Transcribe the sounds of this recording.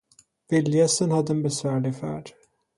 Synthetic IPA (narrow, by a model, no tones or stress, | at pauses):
vɪljɛsənhad̪ːəɛnbɛsvæːɭɪfæ̰ːɖ̥